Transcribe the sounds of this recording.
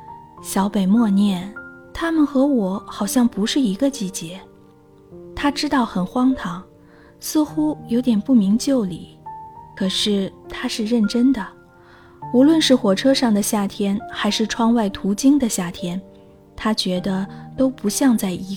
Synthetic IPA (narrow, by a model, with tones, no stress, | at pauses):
ɕjɑ˧˥ʊpe˨˩ɪmwɔ˥˧njɛ˥˩nt̪ʰa˥mə˨nxɤ˧˥wɔ˨˩˥xɑ˨˩ʊɕjɑ˥˩ŋpu˧˥ʂɻ̩˥˩i˧˥ɡə˧t͡ɕi˥˩t͡ɕjɛ˧˥ | t̪ʰa˥ʈ͡ʂɻ̩˥t̪ɑ˥˩ʊxə˨˩nxwɑ˥ŋt̪ʰɑ˧˥ŋ | sɹ̩˥˧xu˥jo˧˥ʊt̪jɛ˨˩npu˥˩mi˧˥ŋt͡ɕjo˥˩ʊli˨˩˦kʰɤ˨˩ʂɻ̩˥˩t̪ʰa˥ʂɻ̩˥˧ɻə˥˩nʈ͡ʂə˥nd̪ə˨ | u˧˥lwə˥˧nʂɻ̩˥˩xwɔ˨˩ʈ͡ʂʰɤ˥ʂɑ˥˩ŋd̪ə˩ɕja˥˩t̪ʰjɛ˥nxa˧˥ɪʂɻ̩˥˩ʈ͡ʂʰwɑ˥ŋwa˥˩ɪt̪ʰu˧˥t͡ɕi˥ŋd̪ə˨ɕja˥˩t̪ʰjɛ˥n | t̪ʰa˥t͡ɕɥɛ˧˥d̪ə˧t̪o˥ʊpu˧˥ɕjɑ˥˧ŋt͡sa˥˩ɪʔi˧˥